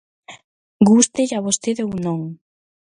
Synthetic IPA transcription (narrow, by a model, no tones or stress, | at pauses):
ɡust̪eʎaβost̪eðewnõŋ